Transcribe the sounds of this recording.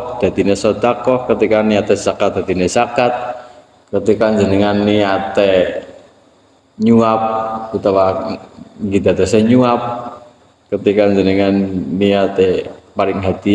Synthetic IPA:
d̪̥a̤d̪̥inesɔd̪̥akɔhkət̪ikaniat̪ɛsakat̪̚d̪̥a̤d̪̥inesakat̪̚ | kət̪ikaɲd͡ʒənəŋanːiat̪ɛ | ɲuap̚ut̪awa | ŋɡid̪a̤t̪ɛsɛɲuap̚ | kət̪ikaɲd͡ʒənəŋanːiat̪ɛpalɪŋɦad̪̥i

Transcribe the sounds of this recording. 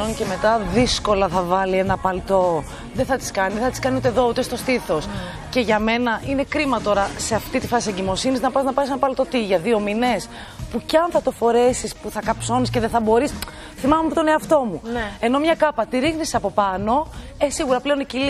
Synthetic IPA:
once̞me̞t̪ɐðisko̞lɐθɐvɐlie̞nɐpɐlt̪o̞ | ðeθɐt̪i̥skɐniðeθɐt̪iskɐniut̪eðo̞ut̪est̪o̞st̪iθo̞s | ce̞ʝɐme̞nɐʔine̞kɾimɐt̪o̞ɾɐse̞ɐft̪it̪ifɐsieɲɟimo̞siniznɐpɐznɐpɐis̬enɐpɐlt̪o̞t̪iʝɐðio̞mine̞s | pucɐnθɐt̪o̞fo̞ɾe̞sispuθɐkɐpso̞nisce̞ðeθɐbo̞ɾis | θimɐmemept̪o̞ne̞ɐft̪o̞mue̞no̞mɲɐkɐpɐt̪iɾixniseɐpo̞pɐno̞esiɣuɾɐple̞o̞nicil

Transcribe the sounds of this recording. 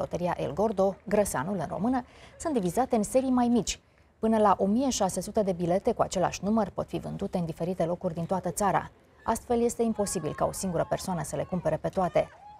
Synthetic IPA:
o̞̰t̪əɾiaʔḛlɡo̞rd̪o̞ɡɾəsa̰nulɨnro̞̰mɨnəsunt̪d̪ivizat̪e̞ɨnse̞ɾijmajmit͡ʃʲ | pɨnəlaʔo̞mijeʃase̞sut̪ed̪e̞bile̞t̪e̞kua̰t͡ʃe̞lea̰ʃʲnumərpo̞̰t̪fivɨnd̪ut̪e̞ɨnd̪ife̞ɾit̪e̞lo̞kurʲd̪int̪oat̪ət̪saɾa̰ | a̰st̪fe̞lje̞st̪e̞impo̞sibilkao̞siŋɡuɾəpe̞rsoanəsəle̞kumpe̞ɾe̞pe̞t̪oat̪e̞

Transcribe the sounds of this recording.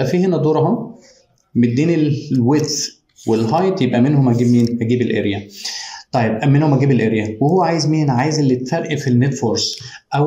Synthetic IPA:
æfiːhenæd̪ˤoːɾɦɑ | med̪eːnelwet̪ | welɦɑjt̪ˤjebʔæmenhomhæɡiːbmiːnhæɡiːbelʔḛɾjæt̪ˤɑjːebʔæmenhomʔæɡiːbelʔeɾjæwehowːæʕaːjezmiːnʕaːjezʔelːit̪fæɾʔifinːet̪foɾs | ʔæw

